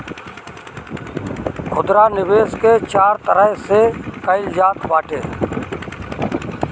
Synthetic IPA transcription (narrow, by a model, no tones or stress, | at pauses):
xʊd̪ɾaːnɪʋeːskeːt͡ʃaːɾt̪əɾəɦseːkəɪld͡ʒaːt̪ʰʋaːʈʰeː